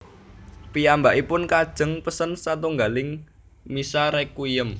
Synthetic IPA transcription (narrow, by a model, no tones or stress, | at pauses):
piambaʔipʊnkad̥ʒ̥ə̤ŋpəsənsat̪uŋɡalɪŋ | misaɾɛkujəm